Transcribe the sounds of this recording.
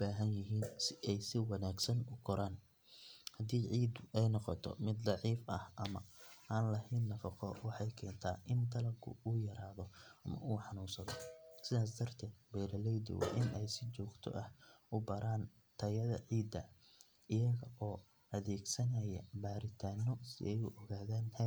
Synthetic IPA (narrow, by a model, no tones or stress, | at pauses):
b̥aːɦɐnjɪɦiːnsɪɛjsɪwɑnaːɡsɐnʊkʰɔɾaːn | hɐd̪iːʕiːd̪ɛjnɔqɔt̪ʰɔ̰mɪd̪lɑʕiːfɐhʔɐmɐaːnlɐhɛːnːɐfɑqɔ̰wɑħɑjkʰɛːnt̪ʰaːʔɪnt̪ʰɐlɐɡʰʊ̰uːjɐɾaːðɔʔɐmɐ̰ʔuːħɑnuːnsɐðɔsɪðaːs̬d̪ɐrt̪ʰɛːd̪̚bɛːɾɐlɛjd̪ɪ̰wɐ̰ʔɪnʔɛjsɪt͡ʃɔːɡt̪ʰɔ̰ʔɐhʊbɐɾʔaːn | t̪ʰɐjɐðɐ̰ʕiːd̪ːɐ | ɪjɐɣɐʔɔː | ʔɐðɛːɡsɐnɐjɐbaːɾɪt̪ʰaːnɔsɪ̰ʔɛjʊʔɔɣaːðaːnhɛ